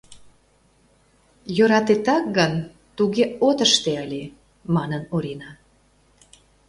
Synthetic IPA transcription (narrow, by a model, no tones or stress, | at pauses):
jøɾɑt̪et̪ɑk̚ɡən | t̪uɣeot̪əʃt̪eəlʲe | mɑnənoɾinɑ